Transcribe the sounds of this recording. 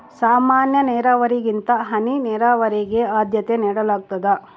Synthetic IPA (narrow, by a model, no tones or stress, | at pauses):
saːmaːnjɐnɛːɾaːʋɐɾiɡint̪ɐɦɐninɛːɾaːʋɐɾeɡe̞aːd̪jɐt̪eniːɽɐlaːɡ̚t̪ɐd̪ɐ